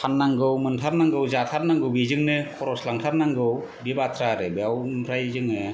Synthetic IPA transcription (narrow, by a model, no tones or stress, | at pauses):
pʰanːaŋɡɯwmɯntʰaɾnaŋɡɯwzatʰaɾnaŋɡɯwbizɯŋnɯkʰɔɾɔslaŋtʰaɾnaŋɡɯw | bibatʰɾaɾɯbiawmpʰɾajzɯŋɯ